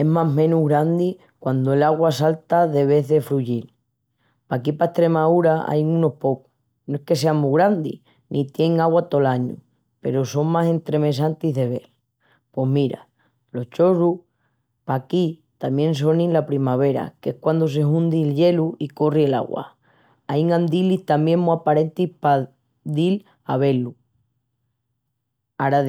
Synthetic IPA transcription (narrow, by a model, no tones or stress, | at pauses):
e̞ɦmaɦmẽ̞nuɣɾand̪i | kwand̪oe̞laɣwasalt̪aðe̞β̞e̞ððe̞fɾuʝil | pakipaeht̪ɾe̞mauɾaa̰jŋũno̞hpo̞ku̥ | noehke̞se̞amuɣɾand̪ḭ | nʔit̪je̞ŋaɣwat̪olaɲṵ | pe̞̰ɾoso̞ŋmase̞nt̪ɾe̞me̞s̬ant̪iðe̞β̞e̞l | pwe̞ɦmiɾa̰ | lo̞ht͡ʃo̞ɾu | pakit̪amjẽ̞ns̬o̞nĩnlapɾimaβ̞e̞ɾa̰kee̞hkwand̪os̬e̞ɦũnd̪ilʎe̞luiko̞riela̰ɣwa̰ | aiŋãnd̪iliht̪amje̞ŋmuapaɾe̞nt̪ihpa | ðil | aβe̞lu | aɾa